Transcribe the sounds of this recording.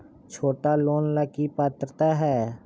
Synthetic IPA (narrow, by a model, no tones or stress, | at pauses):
t͡ʃʰoːʈaloːnləkipaːt̪ɾət̪aɦɛː